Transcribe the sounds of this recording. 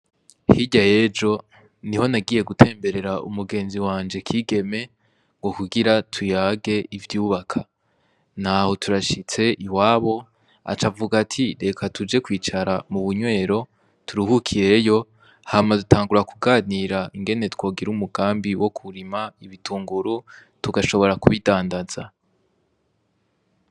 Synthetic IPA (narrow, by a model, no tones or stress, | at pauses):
hiɟaje̞d͡ʒo̞ | niho̞naɡiːje̞ɡutʰe̞ːmbe̞ɾe̞ɾaṵmuɡe̞ːnziwaːnd͡ʒe̞kʰiːɡe̞me̞ | ŋɡo̞kuɡiɾatʰujaːɡe̞ivjuːβakʰa | nhaho̞tuɾaʃit͡se̞ʔiwaːβo̞ | a̰t͡ʃavuɡatʰiɾe̞kʰatʰud͡ʒe̞kwiːt͡ʃaɾamuβuɲwe̞ːɾo̞ | tuɾihukʰiɾe̞jo̞ | hamadutʰaːŋɡuɾakuɡaːniɾaiŋɡe̞ne̞two̞ːɡiɾumuɡaːmbiwo̞kʰuɾimaiβitʰuːŋɡuɾu | tuɡaʃo̞βo̞ɾakuβidaːndaz̥a